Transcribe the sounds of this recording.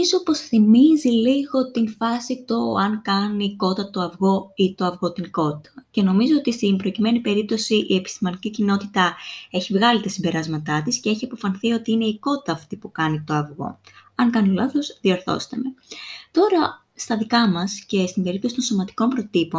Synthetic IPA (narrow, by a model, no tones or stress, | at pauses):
izopo̞sθimiziliɣo̞t̪infɐsit̪o̞ɐŋkɐniko̞t̪ɐt̪o̞ɐvɣo̞it̪o̞ɐvɣo̞t̪iŋko̞t̪ɐ̥ce̞no̞mizo̞ot̪ist̪imbɾo̞cime̞nipe̞ɾip̚t̪o̞siʔiepi̥st̪imɐnicicino̞t̪it̪ɐe̞çivɣɐlit̪ɐsimbe̞ɾɐzmɐt̪ɐt̪isce̞e̞çiɐpo̞fɐnθio̞t̪iine̞iko̞t̪ɐːft̪ipukɐnit̪o̞ɐvɣo̞̰ | ɐŋkɐnilɐθo̞zðio̞ɾθo̞̰st̪e̞me̞t̪o̞ɾɐ | st̪ɐðikɐmɐsce̞st̪imbe̞ɾip̚t̪osit̪o̞nso̞mɐt̪i̥ko̞mpɾo̞t̪ipo̞n